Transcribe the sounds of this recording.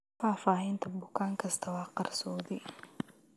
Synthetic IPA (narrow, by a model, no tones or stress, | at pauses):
faːfaːɦɛnt̪ʰɐbʊkʰaːŋkʰɐst̪ʰɐwɑːqɑrsɔːðɪ